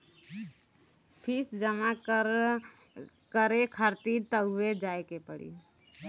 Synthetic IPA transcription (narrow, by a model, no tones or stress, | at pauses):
pʰisd͡ʒəma | kəɾekʰəɾt̪it̪əɦʊwed͡ʒaekepəɽḭ